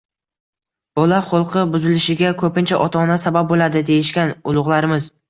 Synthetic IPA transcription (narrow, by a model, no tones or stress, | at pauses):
b̥ɒlaχʊlˠqʰɨbʊzɪlɪʃɪɡʲakʰɵpɪnt͡ʃʰaʔɒt̪ʰaːnasabap̚bolad̪ɪd̪ejɪʃkʲanʊlˠʊʁlˠaɾɪmɪz